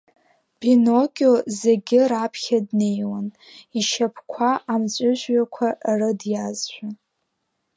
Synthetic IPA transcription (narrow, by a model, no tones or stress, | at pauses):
binokʲʼozeɡʲɪɾapʰχʲadne̞jwan | iʃapʰkʷʰaʔamt͡ɕʷʼʊʒʷɥakʷʰaʔrɨdjazʒʷᶣa